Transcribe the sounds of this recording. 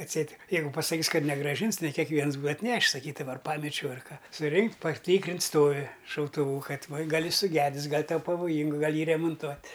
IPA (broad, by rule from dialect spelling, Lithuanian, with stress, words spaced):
ɐtʲˈsʲɛɪt ˈjɛɪɡʊ pɐsɐˈkʲiːs ˈkɐt nʲɛɡrɑːˈʒʲɪns nʲɛ kʲɛkˈʋʲiɛns ˈbuːɐ ɐtʲˈnʲæːʃʲɪs sɐˈkʲiːdɐʋɐ ɐr ˈpɑːmʲɛt͡ʃʲɛʊ ɐr ˈkɐ sʊˈrʲɪŋktʲ pɐˈtʲiːkrʲɪns ˈstoːʋʲɪ ʃɐʊtʊˈʋuː ˈkɐt ˈʋɐ ˈɡɐlʲ ˈjɪs sʊˈɡʲæːdʲɪs ˈɡɐlʲ ˈtɐʊ pɐʋoːˈjiːŋɡʊ ɡɐlˠ ˈjiː rʲɛmoːnˈtuɔtʲ